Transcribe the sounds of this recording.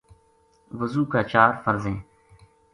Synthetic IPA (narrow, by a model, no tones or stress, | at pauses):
ʋəzuːkaːt͡ʃaːɾfəɾzẽː